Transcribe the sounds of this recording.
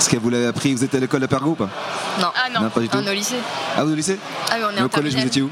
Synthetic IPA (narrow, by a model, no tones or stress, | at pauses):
sə̥kɛvulaveapχivuzɛt̪alekɔlapɛʁɡoupanɔ̃anɔ̃nɔ̃pad̪yt̪uneoliseavuzolise | awiɔ̃neokɔlɛʒvuzejeu